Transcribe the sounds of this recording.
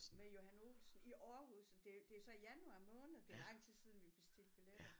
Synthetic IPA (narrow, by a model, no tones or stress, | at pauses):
mejo̝hæno̝̰ːlsn̩iʔɒːɦuðˠsd̥e̝d̥e̝æsɒ̽ijænuɑ̈mɔ̽ːnð̩ˠd̥e̝lɑ̈ŋ̰t͡sʰisið̞ˠn̩ʋib̥e̝sd̥eləb̥iled̥